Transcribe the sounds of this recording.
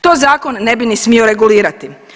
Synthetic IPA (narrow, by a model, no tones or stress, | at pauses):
t̪oːzaːko̞nːe̞binismio̞ɾe̞ɡuliːɾat̪i